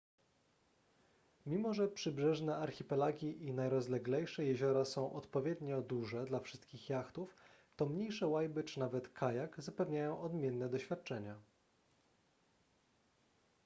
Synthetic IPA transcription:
mʲimɔʐɛpʂɘbʐɛʐnɛaɾxʲipɛlaɡʲiʔinajɾɔzlɛɡlɛjʂɛjɛʑɔɾasɔ̃w̃ʔɔt̪pɔvʲjɛd̪ɲɔd̪uʐɛd̪lafʂɘ̥st̪̚kʲixjaxt̪uf | t̪ɔmɲejʂɛwajbɘt͡ʂɘnavɛt̪kʰajaɡzapɛvɲajɔ̃w̃ɔd̪mʲjɛnːɛd̪ɔɕfʲat̪̚t͡ʂɛɲa

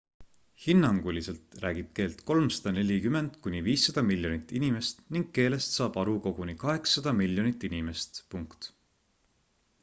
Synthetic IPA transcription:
hinːɑŋɡ̥ulʲise̞lt̪rʔæ̰ːɡ̥ib̥̚ke̞ːlt̪ko̞lmsɑ̥d̪̥ɑne̞lʲikyme̞nd̪̥kunʲiviːsːɑd̪̥ɑmilʲːjo̞nit̪ːˑinime̞st̪niŋɡ̥̚ke̞ːle̞st̪sɑːb̥ɑɾuko̞ɡ̥unikɑɦe̞ksːɑd̪̥ɑmilʲjo̞nit̪ːˑinime̞st̪puŋkt̪

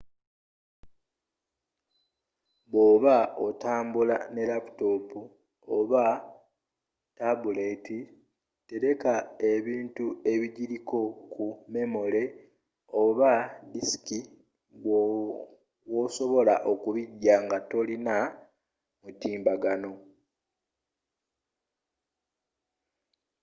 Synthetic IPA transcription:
βwo̞ːβaotaːmbulane̞lapu̥to̞pu | oβa | tabuleti | te̞ɾe̞kae̞βiːntue̞βiɟiɾiko̞kʰume̞mo̞le̞ | oβadisi̥ki | woso̞βo̞laʔo̞kuβiɟːaŋɡato̞lina | mutiːmbaɡano̞

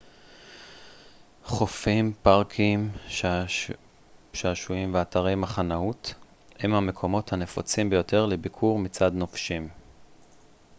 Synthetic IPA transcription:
χofimpaʁkʰim | ʃeaʃujimveataʁe̞jmaχanaut | hemhame̞kʰo̞mo̞thanefot͡simbe̞jo̞te̞ʁlebikʰuʁmit͡sadnofʃim

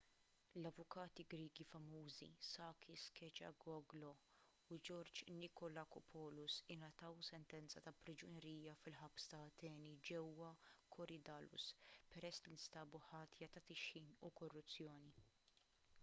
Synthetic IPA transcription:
lɐvʊkɐːt̪iɡɾiːɡifɐmuːzḭsɐːkɪskɛt͡ʃɐ̰ɡɔɡlɔ | ʊd͡ʒɔɾd͡ʒnɪkɔlɐkɔpʰɔːlʊsɪnɐt̪ɐwsɛnt̪ɛnt͡sɐt̪ɐpɾɪd͡ʒʊnɛɾiːjɐfɪlħɐpst̪ɐːt̪ɛːnid͡ʒɛwːɐkʰɔɾɪd̪ɐːlʊ̰spɛɾɛsːlinɪst̪ɐːbʊħɐːt̪ʰjɐt̪ɐt̪ɪʃiːnukɔrːʊt͡sːjɔːni

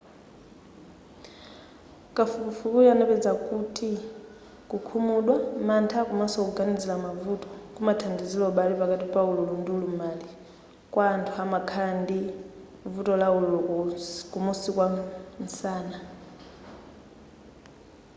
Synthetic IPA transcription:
kʼafukufukujanɛpɛd͡zakutʰʼi | kukʰumuɗwamantʰakumasɔuɡanid͡zilamavutɔ̥kumatʰandizilɔɓalipakatipaululundulumali | kwaːntʰuamakʰandi | vutɔlaululukumusikwansaːna

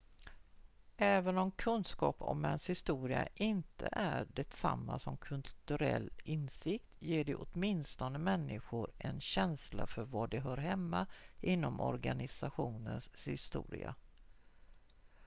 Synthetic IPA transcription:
ʔɛːvənɔmkʰɵnskɑːpɔ̰mɛnshɪst̪uːɾɪa̰ʔɪnt̪ʰəʔæɖɛt̪sa̰mːasɔmkʰɵlt̪ɵɾɛ̰lːɪnsɪk̚t̪jeːɖɛʔɔt̪mɪnst̪ɔnəmɛnːɪɧʊɾɛnɕɛnslafœɾvaɖɛɦœːɾɦɛmːaʔɪnːɔmʔɔ̰ɾɡanɪsaɧuːnənshɪst̪ṵːɾɪ̰a̰

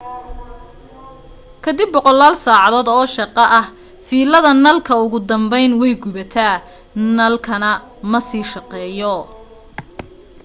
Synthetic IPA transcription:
kʰɐd̪ɪbːɔqɔlːaːlsaːʕɑðɔːd̪ɔːʃɑqɑʔɐh | fiːlɐðɐnɐlkʰɐʊɣʊd̪ɐmbɛjnwɛjɡʊβɐt̪ʰaː | nɐlkʰɐnɐ | mɐsiːʃɑqɛːjɔ

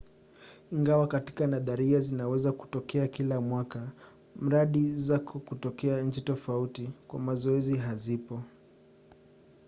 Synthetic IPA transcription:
iŋɡawakati̥kanaðaɾiazinawɛzaku̥tɔkɛakilamwaka | m̩ɾaɗizakʰɔkutɔkɛaɲ̩t͡ʃitɔfautikwa̰mazɔɛziɦazipɔ

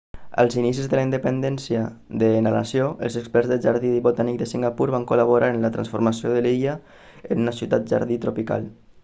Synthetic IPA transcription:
ə̰lˠzinis̬izðəlaind̪əpənd̪ɛnsjə | ðəːnala̰sjoʔə̰lˠzəkspɛrzðəʒaɾðiðiβot̪anik̚d̪əsiŋɡapuɾβaŋkulaβoɾaɾənlət̪ɾa̰nsfuɾmasioðəliʎa | ənunəsiut̪at̪̚ʒa̰ɾðit̪ɾupika̰lˠ

